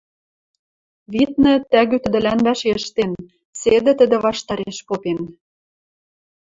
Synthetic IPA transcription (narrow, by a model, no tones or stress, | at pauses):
βit̪̚nɤ̆t̪æɣyt̪ə̆d̪ɘ̆lænβæʃeəʃt̪en | sed̪ɘ̆t̪ə̆d̪ɘ̆βɑʃt̪ɑɾeʃpopen